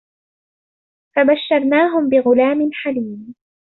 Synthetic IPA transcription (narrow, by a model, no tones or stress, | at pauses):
fabaʃːɑɾˤnaːɦʊmbɪɣʊlaːmɪnħaliːm